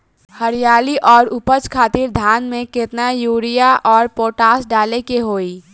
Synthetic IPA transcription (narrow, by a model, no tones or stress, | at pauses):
həɾijaːliʔɔːɾʊpət͡ʃkʰaːt̪iɾd̪ʱaːnmẽkɪt̪najuːɾijaʔɔːɾpoːʈaːsɖaːlekeɦoːiː